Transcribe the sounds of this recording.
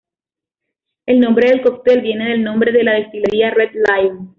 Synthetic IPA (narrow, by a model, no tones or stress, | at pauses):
e̞lnõ̞mbɾe̞ðe̞lkok̚t̪e̞lbje̞neðe̞lnõ̞mbɾe̞ðelaðest̪ile̞ɾiared̪lajn